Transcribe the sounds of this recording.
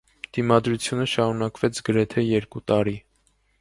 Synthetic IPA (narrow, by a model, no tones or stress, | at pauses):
d̪̥imɑd̪ɾut͡sʰjunəʃɑɾunɑkvɛt͡sʰɡəɾɛt̪ʰɛjɛɾkut̪ɑɾi